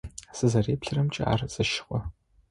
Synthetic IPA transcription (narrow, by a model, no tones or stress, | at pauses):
z̥ɨzɐreːpɬɨrɐmt͡ʃʼɪ̰a̰ːrz̥ɨʃɪ̥χʷʼɔ